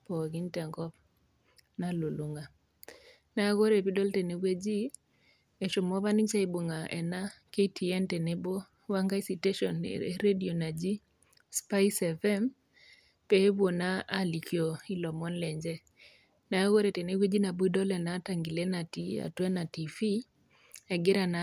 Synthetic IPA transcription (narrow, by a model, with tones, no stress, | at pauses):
pɔ˨ɡi˦ntɛ˨ŋɡɔ˦p̚ | na˨lu˨lu˨ŋa˨ | na˨˦ɣo˦ɾe˨pi˦dɔ˦lte˨ne˦ɡwe˦d͡ʒi˦ | e˨ʃo˨mɔ˦βa˦ni˦t͡ʃa˦i˨bu˨ŋa˨ɛ̰˨na˦ke˦tʰi˨ɛ˦nte˨ne˦bo˦ | wa˦ŋɡa˦i˦si˨te˦ʃɔ˨n̰ḛɾe˦dio˨na˨d͡ʒi˦ | spa˦jsɛ˨fɛ˦m | pɛ˦bwo˨naː˦li˨kʰjo˨i˦lɔ˨mɔ˦nlɛ˨ɲd͡ʒɛ˦ | na˨˦ɣo˦ɾe˨te˨ne˦ɡwe˦d͡ʒi˦na˨bu˦i˦dɔ˦lɛ˨na˨˦ta˨ŋɡi˨le˦na˨ti˦a̰˨tɛ˦na˨ti˨fi˦ | a˨ɡɪ˦ɾa˨na˦